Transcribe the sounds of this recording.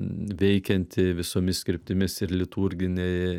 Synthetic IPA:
ʋʲɛɪkʲɛnʲt̪ʲɪʋʲɪsoːmʲɪsʲkʲɪɾʲpʲt̪ʲɪmʲɪsɪɾlʲɪt̪uɾʲɡʲɪnʲɛɪ

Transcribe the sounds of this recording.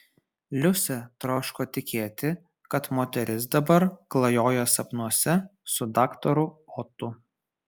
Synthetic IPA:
lʲʊsʲɛt̪ɾoːʃkoːt̪ʲɪkʲeːt̪ʲɪ | kɐt̪moːt̪ʲɛɾʲɪsd̪ɐbɐɾklˠɐjoːjɛsɐpnuɔsʲɛsʊd̪ɑːkt̪ɔɾʊɔt̪ʊ

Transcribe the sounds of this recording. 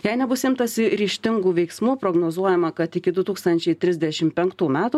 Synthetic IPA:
jɛɪnʲɛbʊsɪmt̪ɐsʲɪɾʲiːʃʲt̪ʲɪŋɡuːʋʲɛɪksmuːpɾoːɡnoːzuɔjɛmɐkɐt̪ɪkʲɪd̪ʊt̪uːkst̪ɐnʲt͡ʃʲɛɪt̪ʲɾʲɪzʲd̪ʲɛʃʲɪmpʲɛŋkt̪uːmʲæːt̪uː

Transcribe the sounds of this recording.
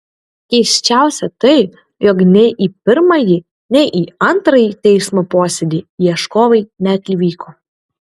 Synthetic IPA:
kʲɛɪsʲt͡ʃʲæˑʊsʲɛt̪ɐɪ | jɔːknʲɛʔiːpʲɪɾmɐji | nʲɛʔiːɐnt̪ɾɐjit̪ʲɛɪsmoːpoːsʲɛd̪ʲiːiɛʃkoːʋɐɪnʲæt̪ʲlʲɪʋʲiːkoː

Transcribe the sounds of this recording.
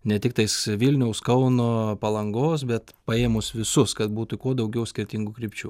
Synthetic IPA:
nʲɛt̪ʲɪk̚t̪ɐɪsʋʲiːlʲnʲɛʊskɐʊnoːpɐlˠɐŋɡoːs̬bʲɛt̪ | pɐeːmʊsʋʲɪsʊskɐt̪̚buːt̪ʊkuɔd̪ɐʊɡʲɛʊsʲkʲɪɾʲt̪ʲɪŋɡuːkɾʲiːpʲt͡ʃʲuː

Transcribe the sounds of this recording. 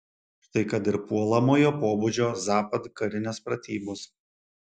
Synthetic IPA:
t̪ɐɪkɐt̪ɪɾpuɔlˠɐmoːjoːpoːbud͡ʒʲoːzɑːpɐt̪kɐɾʲɪnʲɛspɾɐt̪ʲiːbos

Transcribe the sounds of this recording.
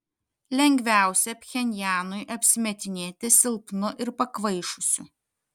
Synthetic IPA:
lʲɛŋʲɡʲʋʲæˑʊsʲɛpʲxʲɛnʲjæːnʊɪʔɐpʲsʲɪmʲɛt̪ʲɪnʲeːt̪ʲɪsʲɪlˠpnʊʔɪɾpɐkʋɐɪʃʊsʲʊ

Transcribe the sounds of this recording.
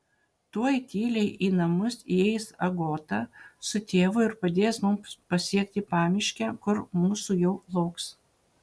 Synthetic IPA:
t̪uɔjt̪ʲiːlʲɛɪʔiːnɐmʊsiɛɪsɐɡoːt̪ɑsʊt̪ʲeːʋʊɪɾpɐd̪ʲeːsmʊmpɐsʲiɛkʲt̪ʲɪpɑːmʲɪʃʲkʲækʊɾmuːsuːjɛʊlˠɐʊks

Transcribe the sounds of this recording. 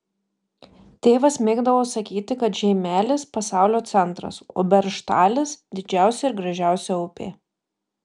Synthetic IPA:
t̪ʲeːʋɐsmʲeːɡd̪ɐʋoːsɐkʲiːt̪ʲɪkɐt̪ʒʲɛɪmʲæːlʲɪspɐsɑˑʊlʲoːt̪sʲɛnˑt̪ɾɐ̰so̰ːbʲɛɾʃt̪ɑːlʲɪsd̪ʲɪd͡ʒʲæˑʊsʲɛɪɾɡɾɐʒʲæˑʊsʲɛʊpʲḛː

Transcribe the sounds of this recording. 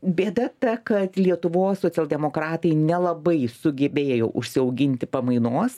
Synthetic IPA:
bʲeːd̪ɐt̪ɐkɐt̪lʲiɛt̪ʊʋoːssoːt͡sʲɛlˠʲd̪ʲɛmoːkɾɑːt̪ɐɪnʲɛlˠɐbɐɪsʊɡʲɛbʲeːjo̰ːʔʊʃʲsʲɪɐʊɡʲɪnʲt̪ʲɪpɐmɐɪnoːs

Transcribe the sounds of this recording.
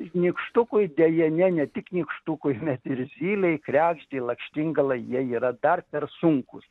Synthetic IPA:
nʲikʃt̪ʊkʊjd̪ʲɛjɛnʲɛnʲɛt̪ʲɪknʲiːkʃt̪ʊkʊɪmʲɛt̪ɪrzʲiːlʲɛɪkrʲæːɡʒʲd̪ʲɛɪlˠɐkʃʲt̪ʲɪŋɡɐlˠɐɪjiɛiːɾɐd̪ɐrpʲɛrsʊŋkʊs

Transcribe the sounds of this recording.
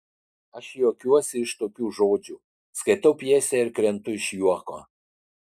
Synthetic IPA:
ɐʃjoːkʲuɔsʲɪɪʃt̪oːkʲuːʒoːd͡ʒʲu | skɐɪt̪ɐʊpʲiɛsʲɛɪɾkɾʲɛnt̪ʊɪʃjuɔko̰ː

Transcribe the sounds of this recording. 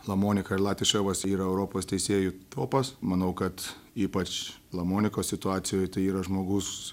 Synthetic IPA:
lˠɐmoːnʲɪkɐɪrlˠɑːt̪ʲʋʲɪʃʲɛʋɐsiːɾɐɛʊɾoːpoːst̪ʲɛɪsʲeːjut̪oːpɐsmɐnɐʊkɐt̪iːpɐt͡ʃlˠɐmoːnʲɪkoːsʲsʲɪt̪ʊɑːt̪sʲɪjoːjt̪ɐɪiːɾɐʒmoːɡʊs

